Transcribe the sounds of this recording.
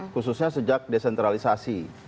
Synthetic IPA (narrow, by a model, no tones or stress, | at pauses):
kususɲasəd͡ʒak̚desɛnt̪ɾalisasi